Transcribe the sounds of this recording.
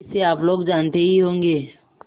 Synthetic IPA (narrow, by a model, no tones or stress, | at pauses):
seaːploːɡd͡ʒaːnt̪eɦiɦõːŋɡeː